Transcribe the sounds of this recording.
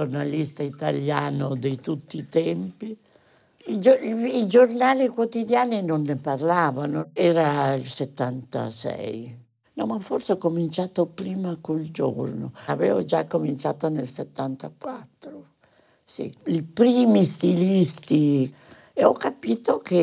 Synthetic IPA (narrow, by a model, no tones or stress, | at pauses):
ornalist̪ait̪aljaːnod̪ejt̪ut̪ːit̪ɛmpi | id͡ʒoid͡ʒornaːlikwot̪id̪jaːninonːeparlaːvanoɛːɾailset̪ːant̪a̰sɛ̰j | nɔmaforseɔkːomint͡ʃaːt̪opɾiːmakold͡ʒo̰rnoavḛːvod͡ʒakːomint͡ʃaːt̪onelset̪ːant̪akwat̪ːɾo | sḭilpɾiːmist̪ilist̪i | eɔkːapiːt̪oke